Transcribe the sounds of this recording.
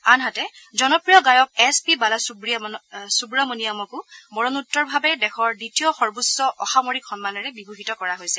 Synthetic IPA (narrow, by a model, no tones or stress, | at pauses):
anɦatɛ | zɔnɔpɹijɔɡajɔk̚ɛspibalasubɹisubɹamonijamɔkʊmɔɹɔnutːɔɹbʱabɛdɛxʰɔɹditiɔxɔɹbusɔʔɔxamoɹikxɔnmanɔɹɛbibʱuɦitɔkɔɹaɦojsɛ